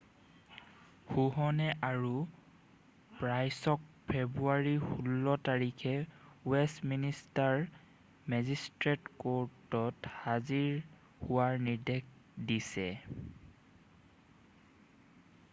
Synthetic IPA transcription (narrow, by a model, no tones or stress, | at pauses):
xuɦɔnɛʔaɹu | pɹajsɔk̚ | pʰebɹuaɹihulːɔtaɹikʰɛwɛsministaɹ | mɛzistɹetkoɹtɔthaziɹ | huwaɹniɹdekdisɛ